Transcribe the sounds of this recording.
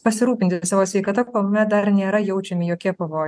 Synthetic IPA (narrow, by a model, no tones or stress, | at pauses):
pɐsʲɪɾuːpʲɪnʲt̪ʲɪsɑːʋoːsʲʋʲɛɪkɐt̪ɐkoːmʲɛt̪̚d̪ɐɾnʲeːɾɐjɛʊt͡ʃʲɛmʲɪjoːkʲiɛpɐʋoːj